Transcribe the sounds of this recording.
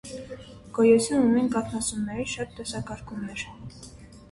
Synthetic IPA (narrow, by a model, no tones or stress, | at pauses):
ɡ̥ɔjɛt͡sʰjununinkɑkʰnɑt͡sumnɛɾiʃɑt̪ːɛsɑkɑɾkʰumɛɾ